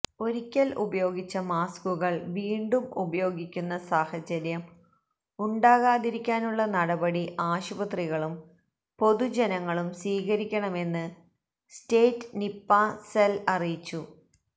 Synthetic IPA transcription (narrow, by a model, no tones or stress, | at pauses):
o̞ɾikʲːɐlṵbɐjo̞ːɡit͡ɕːɐmaːskuɣɐɭʋiːɳɖumubɐjo̞ːɡikʲːunːɐsaːhɐt͡ɕɐɾjɐm | uɳɖaːɣaːðiɾikʲːaːnuɭːɐnɐɽɐbɐɽiʔaːɕubɐt̪riɣɐɭum | po̞ðud͡ʑenɐŋːɐɭumswiːɣɐɾikʲːɐɳɐme̞nːɨ | steːtːnipːaːselɐrijit͡ɕːu